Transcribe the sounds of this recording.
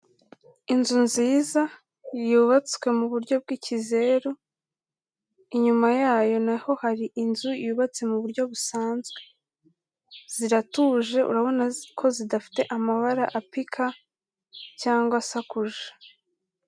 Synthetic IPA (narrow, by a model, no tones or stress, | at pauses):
inzunziːza | juβat͡swe̞muβuɾɟo̞b̚ɡiːcize̞ɾo | iɲumajaːjo̞naho̞haɾiʔinzujuːβat͡se̞muβuɾɟo̞βusaːnzɡe̞ | z̥iɾatuːʒe̞ʔṵɾaβo̞nakʰo̞zidafi̥te̞ʔamaβaɾa̰ʔapikʰa | caːŋɡwasakuʒḁ